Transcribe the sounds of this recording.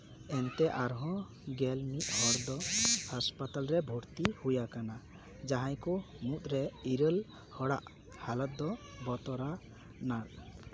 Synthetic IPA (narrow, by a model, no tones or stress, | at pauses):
ɛnt̪ɛʔaɾɦɔ̃ | ɡɛlmit̪̚ˀhɔɾd̪ɔhaspat̪alɾɛbʱuɾt̪ihujakana | d͡ʒaɦãjku | mut̪̚ʼɾɛiɾəl | hɔɽa̰ʔ | halɔt̪̚d̪ɔ | bɔt̪ɔɾa | naɾ